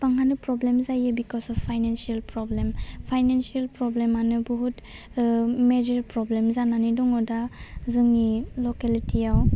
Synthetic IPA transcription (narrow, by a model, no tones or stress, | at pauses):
paŋanɯpɾɔblemzajɯbikɔsɔfpʰːajnensielpɾɔblempʰajnensielpɾɔblemanɯbuɦut | med͡ʒɔɾpɾɔblemzananidɔŋɔdazɯŋnilɔkelitʰijaw